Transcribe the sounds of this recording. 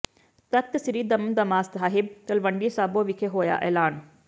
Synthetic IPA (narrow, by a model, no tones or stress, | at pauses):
t̪ək̚t̪sɾiːd̪əmd̪ɐmaːst̪ɦaːɦɪb̚t̪ɐlʋəɳɖiːsaːboːʋɪkʰeɦoːja̰ːʔɛːlaːn